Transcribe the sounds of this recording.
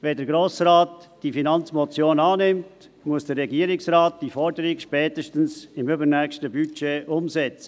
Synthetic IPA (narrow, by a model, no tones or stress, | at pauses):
vɛdəɾɡɾoːsraːtd̥ifinɑnt͡smɔt͡sjoːnɑːnɪmt | muəsd̥ərːɛɡiːəɾɪksraːt̚d̥ifɔɾdəɾɪɡʃpɛːtəʃtən̩sɪmʏbənɛkʃtəbyt͡ʃeːʔʊmsɛt͡sə